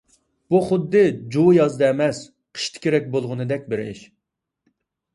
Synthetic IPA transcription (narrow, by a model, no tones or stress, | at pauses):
b̥uχʊd̪ːɨd͡ʒujɑzd̪ɑɛmɛs | qʰə̥ʃt̪ʰɪ̥kʲʰeɾɛk̚ʲbolˠʁʊnɨd̪ɛk̚ʲbɪɾɪ̰ʃ